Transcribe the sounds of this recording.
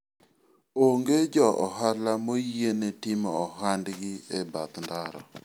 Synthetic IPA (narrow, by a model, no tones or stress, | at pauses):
oŋɡed͡ʒɔʔɔɦalamojenetɪmɔːɦandɡɪɛbat̪ndaɾɔ